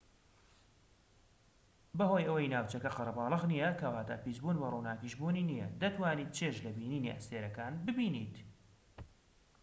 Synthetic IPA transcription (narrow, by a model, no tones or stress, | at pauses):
bɐɦoːjʔɐwɐjnaːwt͡ʃɐkɐqɑɾɐbɑːlˠɨɣnijɐkɐwaːt̪a̰ːpiːzbuːnbɐruːnaːkiʃbuːniːnijɐ̰d̪ɐt̪waːniːt̪̚t͡ʃʰeːʃlɐbiːniːnḭʔɐ̰st̪eːɾɐkaːnbɨbiːniːt̪